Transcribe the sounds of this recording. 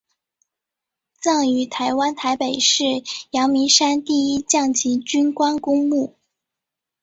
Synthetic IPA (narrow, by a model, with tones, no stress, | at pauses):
t͡sɑ˥˩ŋy˧˥t̪ʰa˧˥ɪwa˥nt̪ʰa˧˥ɪpe˨˩ɪʂɻ̩˥˩jɑ˧˥ŋmi˧˥ʂa˥nt̪i˥˩i˥t͡ɕjɑ˥˩ŋt͡ɕʰi˧˥t͡ɕy˥nkwa˥nkʊ˥ŋmu˥˩